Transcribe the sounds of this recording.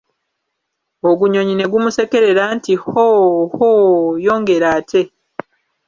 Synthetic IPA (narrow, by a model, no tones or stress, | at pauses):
oɡuɲo̞ɲine̞ɡumuse̞ke̞ɾe̞ɾaːntihohojo̞ːŋɡe̞ɾaːtʰe̞